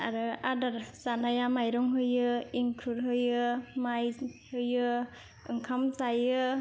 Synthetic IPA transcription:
aɾɯadaɾzanajamajɾɔŋɦɯjɯiŋkʰɯɾɦɯjɯmajhɯjɯ | ɯŋkʰamzajɯ

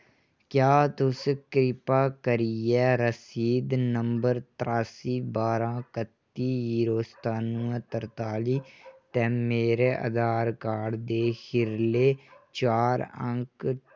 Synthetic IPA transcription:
kjaːt̪ʊskɾɪpaːkəɾijɛːɾəsiːd̪nəmbəɾt̪ɾaːsiːbaːɾãːkət̪ːiːɦiːɾoːst̪aːnũːɛ̃ːt̪əɾt̪aːliːt̪ɛ̃ːmeːɾeːʔə̰d̪aːɾkaːɖd̪eːkʰɪɾleːt͡ʃaːɾə̰̃ŋk

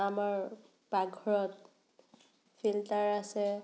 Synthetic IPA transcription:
amaɹ | baɡʱɔɹɔt̚ | fʰiltaɹasɛ

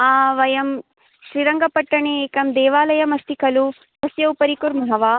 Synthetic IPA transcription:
aːʋɐjɐm | ʃɾiɾɐŋɡɐpɐʈːɐɳeːkɐmd̪ɛːʋaːlɐjɐmɐst̪ikɐlu | ɦ̪ɐsjɐupɐɾikuɾmɐɦɐʋaː

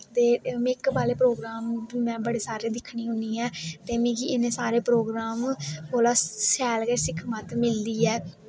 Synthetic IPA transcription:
t̪eːmɪkbaːleːpɾoːɡɾaːmmɛ̃ːbəɽeːsaːɾeːd̪ɪkʰniːɦʊniːɛːt̪eːmĩːɡiɪnẽːsaːɾeːpɾoːɡɾaːmkoːlaːsɛːlɡɛːsɪkʰmat̪mɪld̪iːɛː

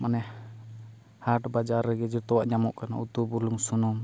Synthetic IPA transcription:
manɛ | haʈbad͡ʒaɾːɛɡɛd͡ʒɔt̪ɔwaʔɲamɔʔkana̰ut̪ubuluŋsunɔm

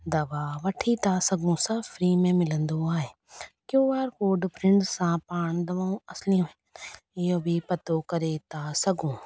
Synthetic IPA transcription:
d̪ɐʋaːʋɐʈʰit̪aːsɐɡũːsɐfɾiːmẽmɪlə̃nd̪õaːeː | kjoːʋaːɾkoːɖpɾɪ̃ɳɖsãːpaːɳ̃d̪ɐʋaːũɐslijõ | jobʱipɐt̪okɐɾeːt̪aːsɐɡũː

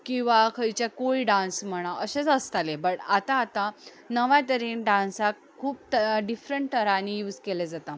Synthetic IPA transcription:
kĩw̃ʋakʰəjt͡ɕakoɭiɖãnsm̤əɽ̃aəɕet͡səst̪alebəʈat̪ãːt̪a | nəʋãt̪əɾinɖãnsak | kʰːuːp̚t̪əɖifɾəɳʈʈəɾanijuːd͡zkeled͡zat̪a

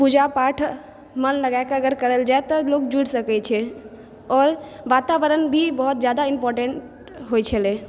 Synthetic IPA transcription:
pud͡ʒapaʈʰ | mənləɡaekeəɡəɾkəɾəld͡ʒaet̪ɔlok̚d͡ʒuɽsəkɛt͡ʃʰɛ | ɔːɾ | ʋat̪aʋəɾənbʱibəɦɔt̪̚d͡ʒjad̪aimpɔɾʈẽɳʈ | ɦojt͡ʃʰəle

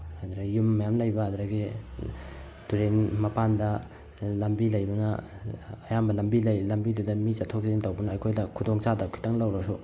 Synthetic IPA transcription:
ad̪ɾɐɡjumːɐjamlɐjbɐad̪ɾaɡi | duɾenmɐpandɐ | lɐmbilɐjbɐnɐː | jambɐlɐmbilɐjlɐmbidudɐmit͡ʃatʰːok̚diɾentɐwbɐnɐːjkʰojdɐkʰudoŋt͡ʃadakʰi̥tʰaŋlɐwɾasu

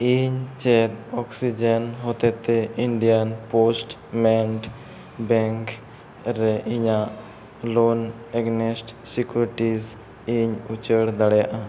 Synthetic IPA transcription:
iɲt͡ʃɛd̪ɔksid͡ʒenɦot̪ɛt̪eiɳɖijanposʈ | mɛɳʈ | bɛŋk | ɾeiɲaʔ | lon | ɛɡnesʈsikjuɾiʈiz | iɲut͡ʃəɽd̪aɽjaʔa

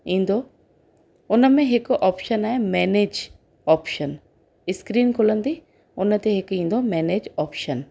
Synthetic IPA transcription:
ĩːn̆d̪o | ʊnə̆mẽɦɪkʔɔːpʃənaːɦemɛːneːd͡ʒ | ɔːpʃən | ɪskɾiːnkʰʊlə̃nd̪i | ʊnt̪eɦɪkĩːn̆d̪omɛːneːd͡ʑɔːpʃən

